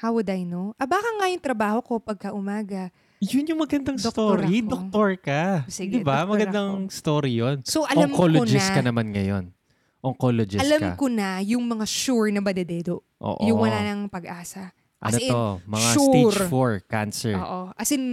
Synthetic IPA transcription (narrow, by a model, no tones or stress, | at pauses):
hawɐd̪ɐjnoʔɐbaːkɐŋajʊŋt̪ɾɐbaːho̞ko̞pɐɡ̚kɐʔʊmaːɡɐ | jʊnjʊŋmɐɡɐnd̪ɐŋst̪oɾid̪ok̚tt̪oɹkɐsiɡd̪ɪbamɐɡɐnd̪aŋst̪oːɾijonsoʔɐlaŋmkokloond͡ʒɪskɐnɐmanŋɐjo̰n | ʔoŋkolod͡ʒɪʔɐlamkɐ̰konɐjʊŋmɐŋaʃuɹnɐbɐd̪ɛd̪ɛːd̪o | ʔo̰ːʔjʊŋwɐlaːnɐŋpɐɡʔaːsɐ | ʔɐ̰noɛomɐŋʃauseɾfoɹka̰nsɛ̰ɹoːʔoʔɐsɪn